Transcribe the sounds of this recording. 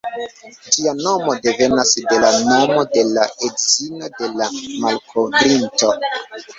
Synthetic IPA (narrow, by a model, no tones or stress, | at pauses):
d͡ʒiano̞mo̞de̞ve̞nasde̞lano̞mo̞de̞laedzino̞de̞lamalkʰo̞vɾinto̞